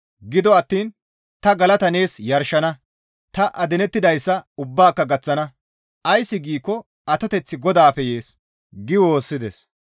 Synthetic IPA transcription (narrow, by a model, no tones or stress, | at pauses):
ɡɪd̪ɔɐt̪ːiːn | t̪ɐɡɐlɐt̪ɐne̞ːsjɐɾʃɐnɐ | t̪ɐʔɐd̪ɛnɛt̪ːɪd̪ɐjsːɐʊbːaːkːɐɡɐt͡sːɐnɐ | ʔɐjsːɪɡiːkːɔ | ɐt̪ɔt̪ɛt͡sːɪɡɔd̪aːfɛje̞ːs | ɡɪwo̞ːsːɪd̪ɛs